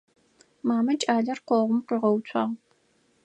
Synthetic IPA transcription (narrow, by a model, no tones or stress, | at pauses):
maːmɐt͡ʃʼaːɮɐrqʷɔʁʷʊmqiːʁɐwt͡sʷʰɑʁ